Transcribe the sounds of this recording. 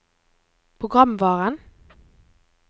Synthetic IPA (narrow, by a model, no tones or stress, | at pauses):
pʰʁʊɡʁɑmʋɑːʁən